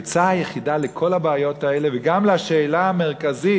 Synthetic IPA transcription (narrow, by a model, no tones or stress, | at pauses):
t͡saajeχidalekʰo̞labeajo̞tae̞leveɡamleaʃeːlaame̞ʁ̞kazi